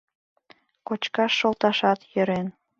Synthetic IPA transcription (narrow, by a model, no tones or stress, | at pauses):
kot͡ɕkɑʃːolˠt̪ɑʃɑt̪jøɾen